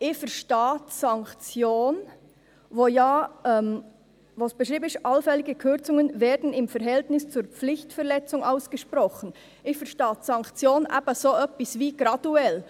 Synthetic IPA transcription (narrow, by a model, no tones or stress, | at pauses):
ʔɪfɛɾʃtaːtsɑŋkt͡sjoːn | voːjaːɛm | voːsb̥əʃʁiːbənɪʃtʔɑlfɛlɪɡəkʰʏɾt͡sʊŋənveːdn̩ɪmfɛɾɦɛltnɪst͡suːɾp͡flɪçtfɛɾlɛt͡sʊŋʔaʊsɡ̥əʃpɾʁɔxən̩ | ɪçfɛɐɾʃtaːtsɑŋkt͡sjoːnʔa̰ːbɐsoːʔœpɪsviːɡ̥ɾɑduɛl